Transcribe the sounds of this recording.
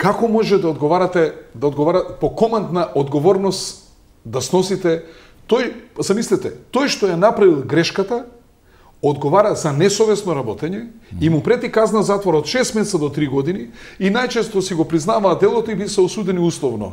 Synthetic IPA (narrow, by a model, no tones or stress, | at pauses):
kakomɔʒɛd̪aod̪ɡovaɾat̪ɛd̪aod̪ɡovaɾat̪ɛpokɔmant̪naʔod̪ɡovɔɾnɔst̪ | d̪asnɔsit̪ɛ | t̪ojsamislɛt̪ɛt̪ojʃt̪ojanapɾavilˠɡɾɛʃkat̪a | od̪ɡovaɾazanɛsɔvɛsnoɾabɔt̪ɛɲɛimupɾɛt̪ikaznazat̪voɾaot̪ʃɛst̪mɛsad̪ot̪ɾiɡɔd̪iniinajt͡ʃɛst̪osiɡopɾiznavaːd̪ɛlˠot̪oivisɛosud̪ɛniuslˠɔvnɔ̰